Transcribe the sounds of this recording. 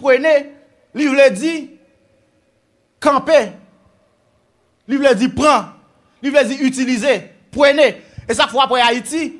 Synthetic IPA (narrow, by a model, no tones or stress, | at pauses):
pwene | livled͡zi | kãpe | livled͡zipʁã | livled͡ziytilize | pwenees̬akfwapwɛaiti